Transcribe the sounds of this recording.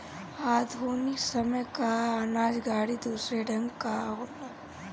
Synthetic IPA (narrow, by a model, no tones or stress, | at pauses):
aːd̪ʱuːnɪksɐməjkaɦanaːd͡ʒɡaːɽid̪uːsɾeɖʱɐ̃ŋɡkaɦoːt̪aː